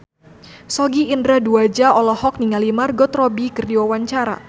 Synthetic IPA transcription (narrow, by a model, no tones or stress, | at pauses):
sɔɡiːndɾaduad͡ʒaɔlɔhɔk̚niŋalimarɡɔt̪rɔbikərdiwawaɲt͡ʃaɾa̰